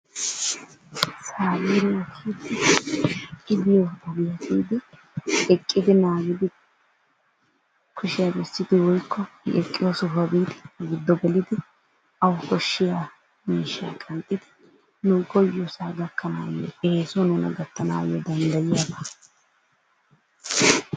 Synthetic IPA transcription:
saːɡiːnɐkʰiːd̪ɪ | ɪbɪjɔʊbɪjɐt̪ʰiːd̪ɪ | ɛkʼːɪd̪ɪnaːɡɪd̪ɪ | kʰɔʃɪjabɛsːɪd̪ɪwɔjkʰːɔɛkʼːɪjosʊfɐbiːd̪ɪɡɪd̪ːɔɡɛlɪd̪ɪ | ʔɐwkɔʃːɪja | miːʃa̰ːkʼɐnt̪ʼːɪd̪ɪ̥ | nʊɡɔjɔsaːɡɐkʰːɐnaːjɔ̰eːsɔnɛnɐ̰ɡɐt̪ːɐna̰ːjɔd̪ɐnd̪ɐjɪjaːb̪ɐ

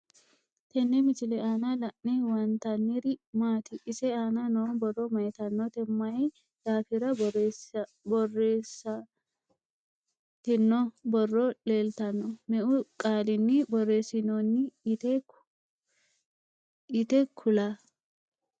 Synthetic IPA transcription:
t̪ɛnːɛmɪt͡ʃɪlɛaːnalɐʔnɛwɐnt̪ɐnːɪɾɪmaːt̪ɪʔɪsɛaːnanobɔrːɔmɐjt̪ɐnːɔt̪ɛmːɐjɛ | d̪̥aːfɪɾɐ | bɔrːeːsːɐ | t̪ɪnːɔbɔrːɔle̞ːlt̪ɐnːɔmɛʔʊkʼaːlɪnːɪbɔrːe̞ːsɪnonːɪt̪ɛ | ɪt̪ɛkʰʊlaː

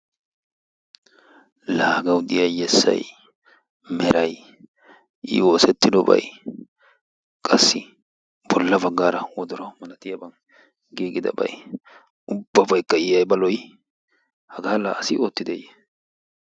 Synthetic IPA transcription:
laːɡɐwd̪ɪjɐjjɛsːɐ̰j | mɛɾʔɐj | ʔɪ̰wo̞ːsɛt̪ːɪd̪ɔbɐ̰j | kʼɐsːɪ | b̥ɔlːɐbɐɡːaːɾɐwɔd̪ɔɾɐmɐnɐt̪ɪjɐbɐn | ɡiːɡɪd̪ɐ̰bɐ̰j | ʊbːɐbɐjkːɐɪjɐjbɐlɔj | hɐɡaːla̰ːɐsɪo̞ːt̪ːɪd̪ejɛ

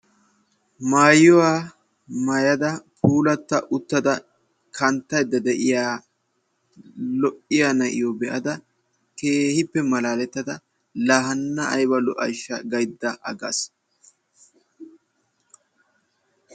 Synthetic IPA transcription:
maːjʊwaː | mɐjɐd̪ɐpʰuːlɐt̪ːɐʔʊt̪ːɐd̪ɐ | kʰɐnt̪ːɐjd̪ːɐd̪ɛʔɪjaː | lɔʔɪjanɐʔɪ̰joːbɛʔɐd̪ɐ | keːhɪpːɛmɐlaːlɛt̪ːɐd̪ɐ | lɐɦɐnːɐʔɐjbɐlɔʔɐ̰jʃːɐɡɐjd̪ːɐʔɐ̰ɡɐ̰s

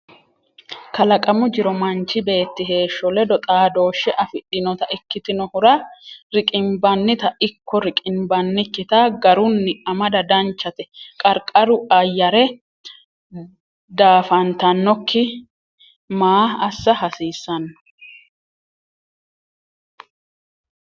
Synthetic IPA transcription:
kɐlɐkʼɐmʊd͡ʒɪɾɔmɐnt͡ʃːɪbe̞ːt̪ːɪɦe̞ːʃːɔlɛd̪ɔt̪ʼaːd̪o̞ːʃːɛʔɐfɪɗɪnɔt̪ɐʔɪkːɪt̪ɪnɔhʊɾɐɾɪkʼɪmbɐnːɪt̪ɐʔɪkʰːɔɾɪkʼɪmbɐnːɪkːɪt̪ɐɡɐɾʊnːɪɐmɐd̪ɐd̪ɐnt͡ʃːɐt̪ɛkʼɐɾkʼɐɾʊʔɐjːɐɾɛ | d̪aːfɐnt̪ɐnːɔkːɪ | maːɐsːɐhɐsiːsːɐnː

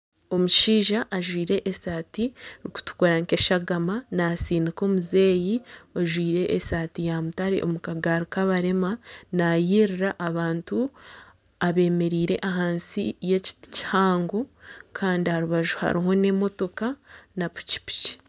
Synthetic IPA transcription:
o̞muʃiːʒaʔːʒwiːɾe̞ʔːsaːtiɾiku̥tu̥koɾaŋke̞ʃaɡamanasiːniko̞ːmuze̞ːjioʒwiːɾe̞ʔesaːtijamutaɾḛʔo̰mukaɡaɾukaβaɾe̞manajiːɾiɾaʔːβaːntu | aβe̞ːme̞ɾiːɾe̞̰ʔaɦaːnsijeci̥ci̥haːŋɡo̞kʰaːndihaɾuβaʒuha̰ɾiɦo̞ne̞mo̞to̞kanapu̥ci̥pi̥ci̥

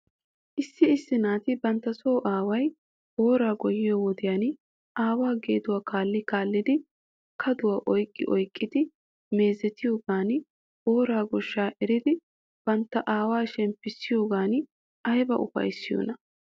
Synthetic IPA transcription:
ʔɪsːɪɪsːɪnaːt̪ɪbɐnt̪ːɐso̞ːʔaːwɐj | bo̞ːɾaːɡɔjɪjowɔd̪ɪjan | ʔaːwaːɡeːd̪ʊwaːkaːlːɪkaːlːɪd̪ɪ | kʰɐd̪ʊwaːʔɔjkʼːɪ̰ʔɔjkʼːɪd̪ɪ | me̞ːzɛt̪ɪjoːɡaːn | boːɾaːɡɔʃːaːʔɛɾɪd̪ɪ | b̥ɐnt̪ːɐʔaːwaːʃɛmpːɪsːɪjoːɡaːn | ʔɐjbɐ̰ʔʊ̰fɐ̰jsːɪjo̰ːnɐ

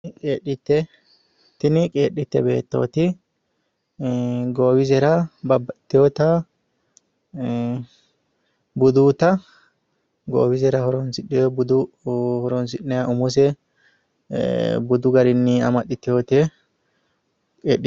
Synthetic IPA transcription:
kʼeːɗɪt̪ːɛ | t̪ɪnɪkʼeːɗːɪt̪ːɛbḛːt̪ːo̰ːt̪ɪ | ɡoːwɪzɛɾɐbɐbːɐt̪ːɪjɔt̪a | bʊd̪uːt̪ɐ | ɡo̰ːwɪzɛɾɐhɔɾɔnsɪɗːɛjɔbʊd̪u | hɔɾɔns̬ɪɗːɛjaʔʊmɔs̬ɛ | bʊd̪ʊɡɐɾɪnːiɐmɐɗɪt̪ːɪjot̪ɛ | kʼḛːɗɪ

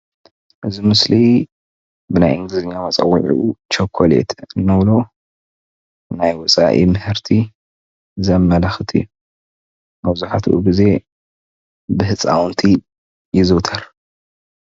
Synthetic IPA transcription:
ʔɨzimɨsli | bɨnajʔɨŋɡlɨziɲːamɐt͡sʼɐ̰wːiʕḭʔut͡ʃʰɐkʰːolḛt̪ʰɨnːɨβlo | najwɔt͡sʼa̰ʔḭmɨhɨɾt̪ʰi | zɐmːɐlɐxt̪ʰḭjːu | mɐβzuħat̪ʰṵʔṵɡize̞ | bɨhɨt͡sʼa̰wnt̪ʰi | jɪzot̪ʰɐɾ

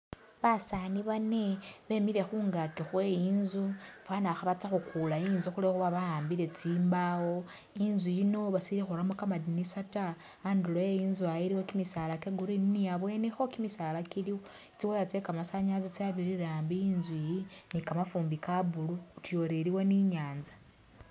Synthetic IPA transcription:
βasaniβaneβe̞miɾe̞xuːŋɡakixweiːnzufwanaxaβat͡saxukulaiːnzuxulexuβaβajaːmbiɾe̞t͡siːmbawo̞ | inzwijino̞βasiiɾexuɾamokamadinisataː | ndulojejinzuajiɾiwokimisalakeɡuɾininiaβwe̞nixo̞kimisalakiliwo | it͡siwojat͡sekamasaɲazit͡saβiɾiɾaːmbiinzwijinikamafuːmbikaβulutjo̞ɾeɾiwo̞niɲaːnzḁ

